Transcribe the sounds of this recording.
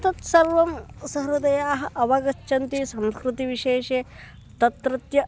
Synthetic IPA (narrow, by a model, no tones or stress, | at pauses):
t̪ɐt̪sɐɾʋɐmsɐɦɾɐd̪ɐjaːɦɐ̆ʔɐʋɐɡɐt͡ʃːʃʰɐnt̪isɐmskɾut̪iʋiʃeːʃeː | t̪ɐt̪ɾɐt̪jɐ